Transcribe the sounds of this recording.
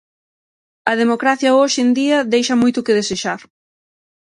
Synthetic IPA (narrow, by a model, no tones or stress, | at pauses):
ɐðemokɾaθjɐoʃend̪iɐðejʃɐmojt̪ʊkɪð̞eseʃaɾ